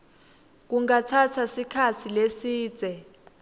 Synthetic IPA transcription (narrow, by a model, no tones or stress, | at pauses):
k̬uŋat͡sʰatʰasikʰat͡sʰilesiːd͡z̥ʱɛ